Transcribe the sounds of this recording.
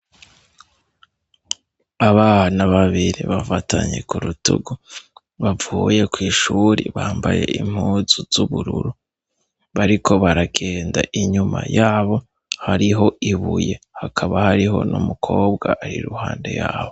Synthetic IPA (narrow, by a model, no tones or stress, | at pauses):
aβahanaβaβiɾiβafataɲe̞̰kuɾutuɡu | βavuje̞kwiːʃuɾiβaːmbaje̞̰ʔim̥huzuz̥uβuɾuɾu | βaɾikʰo̞βaɾaɡ̥e̞ːndaʔiɲuma̰jaːβo̞ | haɾiɦo̞ʔiβuje̞hakʰaβahaɾiɦo̞̰numukʰo̞ːbɡaʔːɾiɾuhaːnde̞̰jaːβo̞